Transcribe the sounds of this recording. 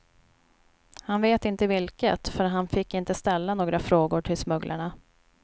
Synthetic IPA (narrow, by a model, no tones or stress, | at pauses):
hanveːt̪ɪnt̪əvɪlkə̰t̪fœɾɦanfɪkːɪnt̪əst̪ɛlːanoːɡɾafɾoːɡʊʈʰɪlsmɵɡlʔa̰ɳa